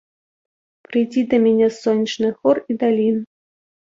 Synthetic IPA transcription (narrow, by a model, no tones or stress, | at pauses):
pɾɨjd͡zʲid̪ɐmʲɛnʲɛsɔnʲit͡ʂnɨxɔrid̪alʲin